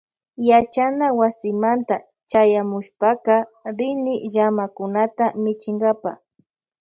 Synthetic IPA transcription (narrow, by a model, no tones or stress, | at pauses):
jat͡ʃanawasɪmant̪a | t͡ʃajamʊʃpaqɑɾɪnɪʎamakʊnat̪amɪt͡ʃɪŋɡapa̰